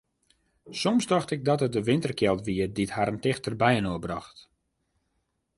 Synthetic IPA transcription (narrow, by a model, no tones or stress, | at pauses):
somsdɔxtɪk̚dɔtət̚dəʋɪntərkjɛlˠtʋiədithaɾəntɪxtərbɛjənoəbrɔ̰xt